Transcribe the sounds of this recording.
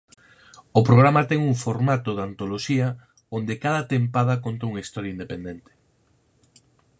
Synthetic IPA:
opɾoɣ̞ɾamɐt̪ɛŋuŋfoɾmat̪oðant̪oloʃiɐ | ond̪ekaðɐt̪empað̞ɐkont̪ɐuŋɐist̪ɔɾjaind̪epend̪ɛnt̪ɪ̥

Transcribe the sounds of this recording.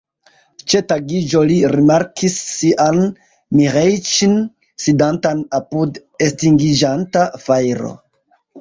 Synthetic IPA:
t͡ʃe̞taɡid͡ʒoliɾimaɾkʰisːiʔan | miɾejt͡ʃin | sidantanapud | e̞stiŋɡid͡ʒantafajɾo̞̰

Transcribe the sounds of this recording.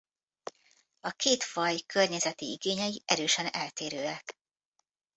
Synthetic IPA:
ɒkeːt̪fɒjkørɲɛzɛt̪iiɡeːɲɛjiʔɛɾøːʃɛnɛlt̪eːɾøːɛk

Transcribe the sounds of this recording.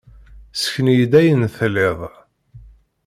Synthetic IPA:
sə̥çənjəd̪æjənθlːɪðˤ

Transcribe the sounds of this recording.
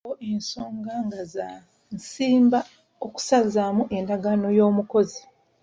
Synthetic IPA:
oʔenso̞ːŋɡaŋɡaza | nsiːmba | oku̥sazamuʔe̞ndaɡano̞jo̞ːmuko̞zi

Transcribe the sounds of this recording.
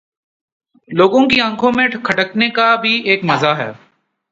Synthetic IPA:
loːɡõkiɐ̃ŋkʰõmẽʈkʰɐʈəknekabʱieːkmɐzaɦɛ̰ː

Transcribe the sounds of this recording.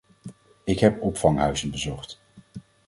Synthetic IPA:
ɪkɦɛpɔpfɑŋɦœɥzənbəzɔχt

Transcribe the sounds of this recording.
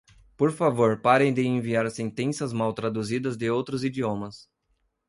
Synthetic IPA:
poɾfavoɾpaɾẽj̃d̪ɪẽviaɾsẽnt̪ẽsiɐzmawt̪ɾad̪uzid̪ɐzd̪ɪowt̪ɾʊzid͡ʒ̪iõmɐs

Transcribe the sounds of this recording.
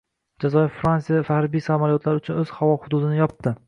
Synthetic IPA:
d͡ʒazɒjɪfːɾansijafahɾbijsamalijɒt̪ʰlaɾʊt͡ʃʰʊnɵz̥hawɒhʊd̪ud̪ɪnɪjɒp̚t̪ɪ

